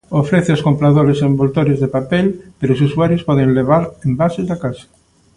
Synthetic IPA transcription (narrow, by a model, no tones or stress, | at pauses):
ofɾɛθɪoskompɾaðoɾesembolt̪oɾɪzðepapɛlpeɾoʊs̬usuaɾjʊspɔðɪ̃ŋleβ̞aɾembasezðakasɐ̥